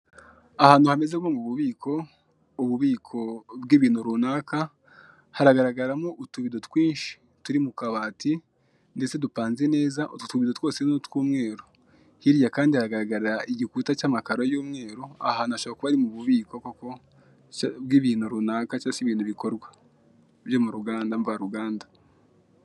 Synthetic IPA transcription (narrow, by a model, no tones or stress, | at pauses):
ahaːnuhame̞zekwoŋɡuβuβiːkʰo̞ | uβuβiːkʰo̞bɡiːβiːnuɾuːnaːka | haɾaɡaɾaɡaɾamoʔutuβido̞twiːnʃi̥ | tuɾimukaβaːti | nde̞t͡se̞dupaːnze̞ne̞ːzaʔttuβidotwo̞ːsenotkuːmŋe̞ːɾo | hiɾjakaːndihaɾaɡaɾaɡaɾiɾaʔiɟikuːtat͡ʃaːmakaɾo̞juːmŋe̞ːɾoa̰hanaʃoβakuβaɾimuβuβiːko̞koko̞ | bɡiːβiːnuɾunaːkat͡ʃasiβiːnuβiko̞ɾɡwḁ | βjo̞muɾuɡaːndaɱvaɾuɡaːnda